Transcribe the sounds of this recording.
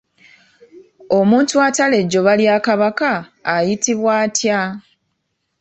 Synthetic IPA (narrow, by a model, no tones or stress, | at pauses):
o̞muːntuatale̞ɟo̞βaljaːkaβakaːjitiβwaːtʰja